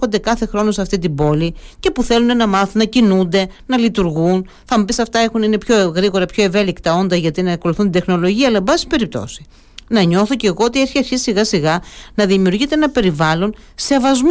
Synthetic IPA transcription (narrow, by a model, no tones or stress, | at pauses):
o̞nd̪e̞kɐθe̞xɾo̞no̞sɐft̪it̪ibo̞lice̞puθe̞lune̞nɐmɐθunɐcinund̪e̞nɐlit̪uɾɣun | θɐmupisɐft̪ɐexunine̞pço̞ɣɾiɣo̞ɾɐpço̞e̞ve̞likt̪ɐo̞nd̪ɐʝɐt̪inɐko̞luθunid̪e̞xno̞lo̞ʝiɐːlɐebɐsi̥i̥pe̞ɾip̚t̪o̞̰si̥ | nɐɲo̞θo̞ceɣo̞ot̪ieɾçiɐɾçissiɣɐsiɣɐnɐðimiuɾʝit̪eenɐpe̞ɾivɐlo̞n | se̞vɐzm